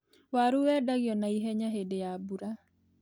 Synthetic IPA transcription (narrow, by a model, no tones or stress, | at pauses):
waɾuwɛdaɡjɔnaiɦɛɲaɦedejabuɾa